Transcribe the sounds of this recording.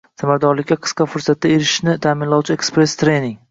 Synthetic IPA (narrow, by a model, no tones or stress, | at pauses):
samaɾd̪ɒɾlɪkʲːaqʰɨ̥sqɑfʊɾsat̪̚d̪ae̞ɾɪʃnɪt̪ʰaːmɪnlawt͡ʃʰɪekspɾest̪ʰɾejnɪŋ